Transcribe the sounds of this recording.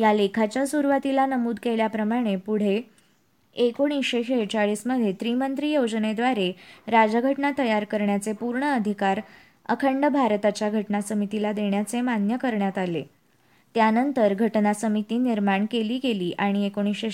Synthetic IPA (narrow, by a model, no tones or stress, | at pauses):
jalekʰat͡ɕjasuɾʋat̪ilanəmuːd̪keljapɾəmaɽ̃epuɽ̤e | ekoɳ̃isɕeɕet͡ɕaɭiːsməd̪ʱjet̪ɾimənt̪ɾiːjod͡zned̪ʋaɾeɾad͡zəɡʱəʈnat̪əjaɾkəɾɳjat͡sepuɾɳəːd̪ʱikaɾ | ə̰kʰəɳɖəbʱaɾt̪at͡ɕjaɡʱəʈnasəmit̪ilad̪eɳjat͡semanjəkəɾɳjat̪alḛ | t̪janənt̪əɾɡʱəʈnasəmit̪iːniɾmaɳkeliːkeliːʔaɽ̃iekoɽ̃ise